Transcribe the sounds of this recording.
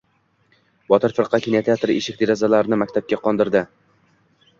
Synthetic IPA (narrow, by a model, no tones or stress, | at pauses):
bɒt̪ɪɾfɪɾqʰɑkʲʰinet̪ʰeat̪ɾɪeʃɪk̚ʲd̪eɾɒzalaɾnɪmakʲt̪ʰap̚kʲaqʰɒnd̪ɪɾd̪ɪ